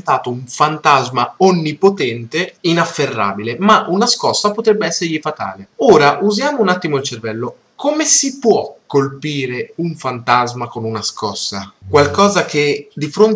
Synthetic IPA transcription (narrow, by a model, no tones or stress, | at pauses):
nt̪aːt̪ouɱfant̪azmaonːipot̪ɛnt̪einafːerːa̰ːbilemaunaskɔsːapot̪ɾɛbːeɛsːeɾʎifat̪a̰ːleoːɾaʔuzjaːmounat̪ːimoilt͡ʃervɛlːo | komesipwɔkːolpiːɾeuɱfant̪azmakonunaskɔsːa̰kwalkɔːzakʰed̪ifɾon